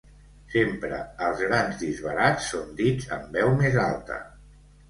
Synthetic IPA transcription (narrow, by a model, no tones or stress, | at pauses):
sempɾəəlˠzɣɾanzd̪izβ̞əɾat͡sːond̪id͡zə̰mbɛwmezalˠt̪ə̰